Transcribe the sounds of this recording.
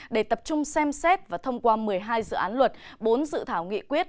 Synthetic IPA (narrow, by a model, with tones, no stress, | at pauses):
ɗe˧˩t̪ə˨˩p̚t͡ɕʊ˧ŋ͡msɛ˧msɛ˦˥t̚vaː˨˩t̪ʰə˧wŋ͡mkwaː˧mɨ˨˩əjɦaː˧jzɨ̰˧˨ʔaː˨˦nlwə˨˩t̚ɓo˨˦nzɨ̰˧˨t̪ʰaː˧˩wŋḭ˧˨kwi˦˥ət̚